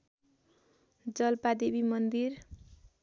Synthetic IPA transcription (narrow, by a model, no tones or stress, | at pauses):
d͡zʌlpad̪ebimʌnd̪ir